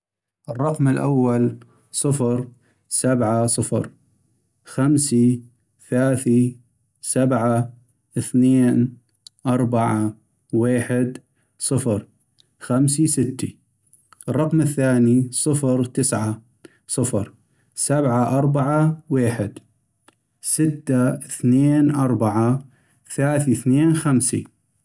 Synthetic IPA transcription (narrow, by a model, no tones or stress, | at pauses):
ʔɨrˤːɑqmɪlʔa̰wːal | sˤɨfɾ | sabʕasˤɨfɾ | xamsi | θalaːθi | sabʕa | ʔɪθneːn | ʔɑɾˤbaʕa | weːħɪd̪ | sˤɨfɾ | xamsisɪt̪ːi | rˤːɑqmɪθːaːnisˤɨfɾt̪ɪsʕa | sˤɨfɾ | sabʕaʔɑɾˤbaʕaweːħɪd̪ | sɪt̪ːaθneːnʔɑɾˤbaʕa | θlaːθiθneːnxamsḭ